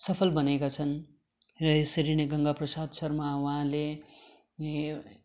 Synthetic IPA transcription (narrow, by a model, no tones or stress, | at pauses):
sʌpʰʌlbʌnekat͡sʰʌn | rʌesʌɾineɡʌŋɡaprʌsad̪sʌrmawʌɦãle